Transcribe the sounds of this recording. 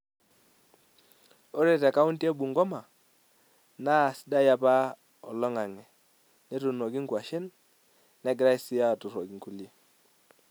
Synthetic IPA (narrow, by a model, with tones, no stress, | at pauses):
o˦ɾe˦˨tɛ˨ka˦ʊ˦nti˦e˦bu˨ŋɡɔ˦ma˨ | na˦˨sɪ˦da˦ja˦pa˦ | ɔ˨lɔ˦ŋa˨ŋɛ˨ | nɛ˦tu˨no˨ki˦ŋkwa˨ʃɪ˦nː | ɛ˨˦ɡɪ˦ɾa˦i˦sɪ˦a˦˨tu˨ɾo˨ki˨ŋku˦˨lje˦